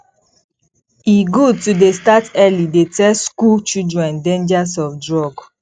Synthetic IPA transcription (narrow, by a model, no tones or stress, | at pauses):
iɡud̚tudestatɛlidetɛskult͡ʃidɹɛ̃ndẽnd͡ʒasɔfdɹɔɡ